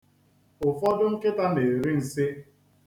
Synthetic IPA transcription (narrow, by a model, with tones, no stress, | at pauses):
ʊ˨fɔ˦dʊ˦ŋ̩˦kɪ˦ta˦ne˨ɾi˦n̩˨sɪ˦